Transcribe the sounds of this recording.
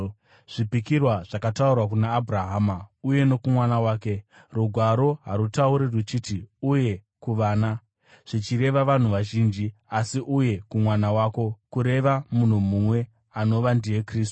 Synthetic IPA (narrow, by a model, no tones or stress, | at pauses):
ʐ̥ipikirwaʐakataurwak̬unaːbʱuraɦaːmauje̞no̞kumwanawaːke̞ | ruɡʱwaɾo̞ɦaɾutauɾirwut͡ʃiːtiuje̞kuʋaːna | ʐ̥it͡ʃiɾe̞ʋaʋan̤uʋaʒiːnd͡ʒiasiʔuje̞kumwanawaːko̞kuɾe̞ʋamun̤umumwe̞ | ano̞ʋandijekriːstu̥